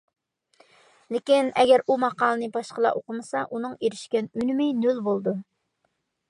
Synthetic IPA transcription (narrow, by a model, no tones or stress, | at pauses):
lɪkʲinɛɡʲɛɾumɑqɑːlˠənɨbɑʃqəlˠɑ̰ʔoqəmɨsɑʔunɨŋeɾɪʃkʲɛnynmɪjnylbolˠd̪u